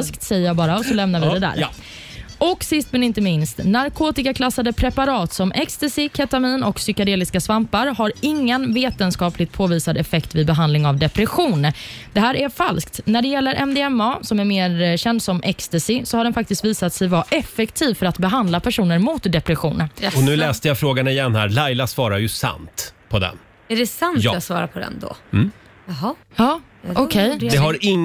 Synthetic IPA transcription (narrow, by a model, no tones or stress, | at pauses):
skt̪sɛjəjɑːbɑːɾaɔsɔlɛmnaɾvɪd̪ɛd̪æ̰ːɾ | ʔɔksɪst̪mɛnɪnt̪əmɪnst̪naɾkʰoːt̪ɪkakʰlasːad̪əpʰɾɛpaɾɑːt̪sɔmʔɛkst̪ɛsɪkʰɛt̪amiːnɔksʏkad̪eːlɪskasvampaɾɦaɾɪŋːənveːt̪ənskɑːplɪɡ̚t̪̚pʰoːviːsad̪ɛfɛkt̪vɪd̪bɛɦand̪lɪŋavd̪ɛpɾɛɧuːnd̪ɛɦæːɾʔæfalsk̚t̪næɖɛjɛlːəɾʔɛmd̪ɛɛmɑːsɔmæɾmeːɾɕɛnd̪sɔmʔɛkst̪ɛsɪsɔhaɖɛnfak̚t̪ɪst̪viːsat̪sɛjvaʔɛfːɛkt̪ʰiːvfœɾat̪bɛɦand̪lapʰæʂuːnəɾmʊt̪d̪ɛpɾɛɧuːnɔnʉ̟ːlɛːst̪əjafɾoːɡanɪjɛnːhæ̰ːɾlajlasvɑːɾaɾjɵsa̰nt̪pʰɔd̪ɛ̰n | ɛɖɛsanjsvɑ̰ːɾa̰pʰɔd̪ɛ̰nd̪ɔ̰ | ɦɑɑː | ɔkʰɛjd̪ɛɦaɾɪŋː